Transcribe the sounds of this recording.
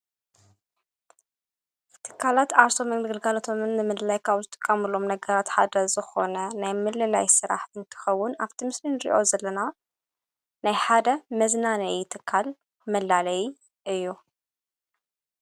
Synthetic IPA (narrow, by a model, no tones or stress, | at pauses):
t̪ʰɨ̥kʰːalat̪aɾso̞mɐɡɨlɡalot̪ʰo̞mɨnːɨmɨlɨlajkʰauzɨt̪ʼɨ̥kʼːɐmɨlo̞mnɐɡɐɾat̪ħad̪ɐzɨxo̞nɐnajmɨlːɨla̰jsɨɾa̰ħɨnt̪ʰɨ̥xɐwːʊnaβt̪ʰimɨslinɨɾḭʔo̞̰zɐlːɐna | najħad̪ɐmɐznanɐjt̪ʰɨkʰːal | mɐlːalɐj | ʔɨjːu